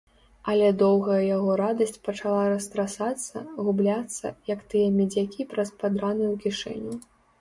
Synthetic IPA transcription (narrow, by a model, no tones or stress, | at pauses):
ɐlʲɛd̪ɔwɣɐjɐjaɣɔɾad̪ɐsʲt͡sʲpɐt͡ʂalˠaɾɐst̪ɾasat̪sːɐ̰ɣublʲat̪sːɐ̰jɐkt̪ɨjɐmʲɛd͡zʲakʲipɾɐspad̪ɾanɨjwkʲiʂɛ̰nʲu